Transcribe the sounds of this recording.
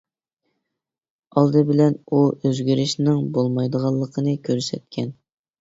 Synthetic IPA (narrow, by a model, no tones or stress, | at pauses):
ɑlˠd̪ɨbɪlɛnuøzɡʲyɾɪʃnɪŋbolˠmɑjd̪əʁɑlˠːəqʰənɨkʲʰøɾsɛt̪̚kʲʰɛn